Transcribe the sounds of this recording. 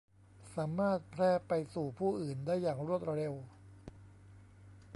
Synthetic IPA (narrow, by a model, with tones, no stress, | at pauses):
saː˩˦mːaː˥˩t̪̚pʰɾɛː˥˩pa˧jsuː˨˩pʰuː˥˩ʔɯː˨˩ndaː˥˩jːaː˨˩ŋɾu˥˩ət̪̚ɾe˧w